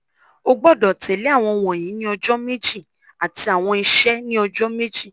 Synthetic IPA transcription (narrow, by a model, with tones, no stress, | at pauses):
o˧ɡ͡bɔ˦˨dɔ˨tʰɛ˨˦le˨˦a˦˨w̃ɔ̃˧wɔ̃˨j̃ĩ˨˦nĩ˦ɔ˧d͡ʒɔ˦me˦d͡ʒi˦˨ | a˨ti˧a˨w̃ɔ̃˧i˧ʃɛ˦nĩ˦ɔ˧d͡ʒɔ˦me˦d͡ʒi˦˨